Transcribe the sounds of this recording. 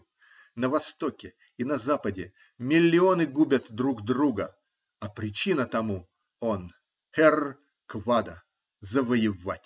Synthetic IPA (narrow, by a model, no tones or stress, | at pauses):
nəvɐst̪okʲɪ | inɐzapədʲɪ | mʲɪlʲːɪonɨɡubʲət̪d̪ɾuɡd̪ɾuɡə | ɐpɾʲɪt͡ɕinət̪ɐmu | on | hɛr | kvad̪ə | zəvəjɪvatʲ